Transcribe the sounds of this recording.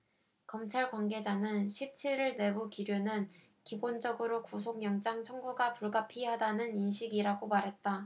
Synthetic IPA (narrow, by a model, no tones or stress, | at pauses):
kʌmt͡ɕʰaɭkwanɡe̞d͡ʑanɯnɕʰip̚t͡ɕʰiɾɯɭne̞bukiɾjonɯn | kibond͡ʑʌɡɯɾokusʰoŋjʌŋt͡ɕ͈aŋt͡ɕʰʌŋɡuɡapuɭɡapʰiɦadanɯninɕʰiɡiɾaɡomaɾɦe̞t̚t͈a